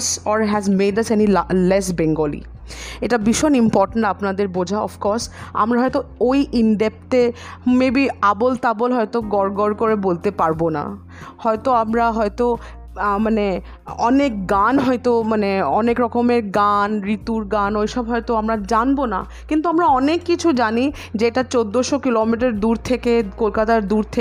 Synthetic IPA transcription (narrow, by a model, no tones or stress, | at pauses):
sɔɾɦɛzmeɖasɛnilles̬beŋɡolḭ | eʈabiʃɔnimpɔɾʈeɳʈapnad̪eɾbod͡ʑʱaɔ̰fkɔɾsa̰mɾaɦɔjt̪oojʔiɳɖep̚ʈe | mebiabolt̪abolɦɔjt̪oɡɔɾɡɔɾkoɾebolt̪epaɾbona̰ | hɔjt̪oamɾaɦɔet̪o | mane | ɔnek̚ɡanɦɔjt̪omaneɔnekɾɔkomeɾɡanɾit̪uɾɡanojʃɔbɦɔejt̪oamɾad͡ʑanbona̰ | kint̪uamɾaɔnekːit͡ɕʰud͡ʑani | d͡ʑeeʈat͡ɕod̪ːoʃokilomiʈ̬aɾd̪uɾt̪ʰekekolkat̪aɾd̪uɾt̪ʰe